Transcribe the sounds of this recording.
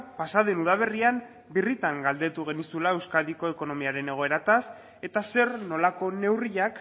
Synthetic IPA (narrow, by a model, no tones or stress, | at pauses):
pasaðenuðaβ̞e̞riam | birit̪aŋɡald̪e̞t̪uɣ̞e̞nisulaewskaðiko̞e̞ko̞no̞miaɾe̞neɣ̞o̞e̞ɾat̪as | e̞t̪ase̞ɾno̞lako̞ne̞wriʎak